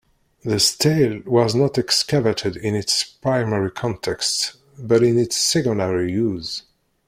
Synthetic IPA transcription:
ðəstʰeɪlwʌznətɛkskavəɾʰɨdɪ̃nɪtspɹ̥aɪmɛɹikʰɑ̃ntʰɛkst | bʌɾɪ̃nɪtsːɛɡɔdəɹijuz

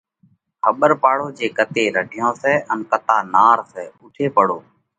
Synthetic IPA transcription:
xəɓəɾpaːɽoːd͡ʒeːkət̪eːɾəɖʱɪjõːsɛːʔənkət̪aːnaːɾsɛːʊʈʰeːpəɽoː

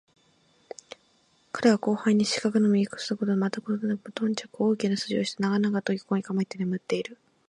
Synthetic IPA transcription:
kʰaɾe̞βako̞ːhaiɲ̟ːiɕi̥kakɯ̟nomʲiɡʲikɯ̥sɨɾɯko̞t̪omat̪akot̪onanakɯmot̪õ̞ɲ̟t͡ɕakooːkʲinasɨʑioɕi̥t̪enaɡanaɡat̪oɡʲikoɲʲikamait̪ːenemɯ̟t̪ːe̞iɾɯ̟

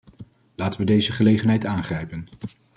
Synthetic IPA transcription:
laːtəʋədejzəχəlejχənɦɛjtaːnχrɛjpən

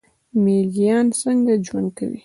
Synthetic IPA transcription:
melijɑnsəŋɡad͡ʒwa̰nd̪̚ka̰wḭ

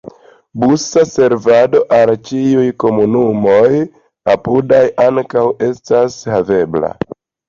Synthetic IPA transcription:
busase̞ɾvado̞ʔalt͡ʃiujko̞munumo̞j | apudajʔaŋkawe̞stashave̞bla̰

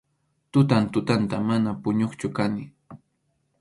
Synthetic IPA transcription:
t̪ʊt̪ant̪ʊt̪ant̪amanapʊɲoχt͡ʃʊkanɪ

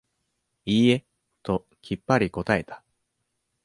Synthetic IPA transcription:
iːe̞ | t̪o̞ | kʲʰipːaɾʲiko̞t̪ae̞t̪ḁ

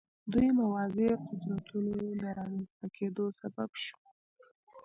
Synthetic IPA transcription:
d̪ujmawɑzeqʊd̪ɾat̪unod̪əɾɑmanst̪akʰed̪osababʃu̥

